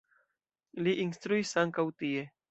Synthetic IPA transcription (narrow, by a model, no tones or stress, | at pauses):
liʔinst̪ɾuisaŋkawt̪ie